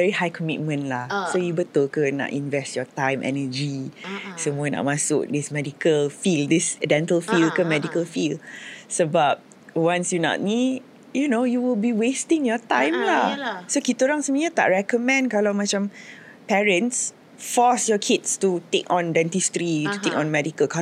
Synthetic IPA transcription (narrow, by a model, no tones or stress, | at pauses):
vɛɹihajkʰɔmit̚mə̃nlahsojubət̪əlkəna̰ʔĩnvɛstjɔtãjmʔɛ̰nəd͡ʒisəmuəna̰ʔmãsʊk̚dismɛdikəlfildisdɛ̃ntəlfilkəmɛdikəlfilsəbap̚ | wãnsjunɔ̰ʔ̚nit | junojuwilbiwestĩŋjɔtãj̃mlasokit̪oɾãŋsəmĩət̪a̰ʔ̚ɹɛkəmɛ̃nkalawmat͡ʃãm | pɛɹə̃ns | fɔsjɔkʰitstutekɔ̃ndɛ̃ntistɾitut̪ekɔ̃nmɛdikəlkʰa